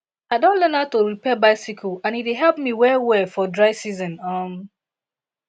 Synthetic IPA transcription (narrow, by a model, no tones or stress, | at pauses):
aɪdõnlɛ̃natoɹipɛbaɪsikʰoãnitweɦɛlp̚miwɛwɛfɔdɹaɪsizɔ̃nʌm